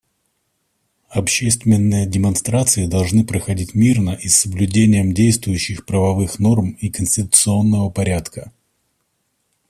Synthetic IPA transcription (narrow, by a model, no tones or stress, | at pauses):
ɐpɕesʲt̪vʲɪnːɨjədʲɪmɐnst̪ɾat̪sɨɪd̪ɐlˠʐnɨpɾəxɐdʲitʲmʲirnəʔisːəblʲʉdʲenʲɪjəmdʲejst̪vʊjʉɕːɪxpɾəvɐvɨxno̞rmikənʲsʲtʲɪt̪ʊ̥t̪sɨo̞nːəvəpɐɾʲat̪kə